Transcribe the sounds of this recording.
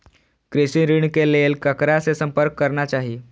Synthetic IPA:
kɾesiɾiɳkelelkəkɾasesəmpəɾkːəɾnat͡ʃaɦiː

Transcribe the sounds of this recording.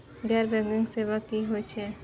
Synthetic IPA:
ɡɛːɾbɛ̃ŋɡɪ̃ŋseʋakiɦojt͡ʃʰɛ

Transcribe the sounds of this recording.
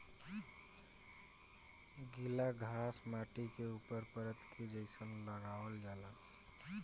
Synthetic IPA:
ɡɪlaɡʱaːsmaːʈikeuːpəɾpəɾət̪kid͡ʒəɪsənləɡaːʋəld͡ʒaːla

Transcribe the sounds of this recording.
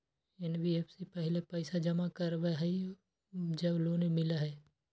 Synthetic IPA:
enbiefsipɛɦɪlepɛɪsad͡ʒɐmakɐɾʋeɦɛi | d͡ʒɐbloːnemɪlaɦɛː

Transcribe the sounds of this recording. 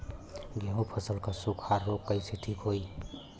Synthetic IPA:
ɡʱeũpʰəsəlkasukʰaɾːokːəjsiʈ̪ʰikʰoj

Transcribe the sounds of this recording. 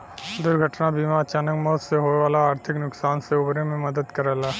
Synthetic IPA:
d̪ʊɾɡʱəʈnabiːmat͡ʃaːnəkmɔːt̪seɦoeʋaːlaaːɾt̪ʰɪknʊksaːnseʊbɾẽmẽmɐd̪əd̪kɐɾɛːlaː

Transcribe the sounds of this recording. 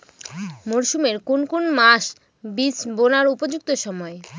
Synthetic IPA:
moɾʃumeɾkonkonmaʃ | bisbonaɾupod͡ʑuk̚t̪oʃɔmɔe

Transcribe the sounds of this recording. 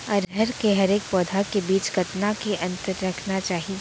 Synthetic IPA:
ɔːɾɦɛɾkeɦɐɾeːk̚pɔːd̪ʱakebiːt͡ʃɡɐt̪nakeʔɐ̃nt̪əɾːɐkʰnat͡ʃaːɦie

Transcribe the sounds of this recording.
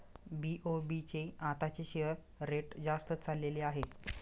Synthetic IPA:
biʔobit͡seat̪at͡ɕeɕeɾ | ɾeʈd͡zast̪ət͡salːeleaɦe

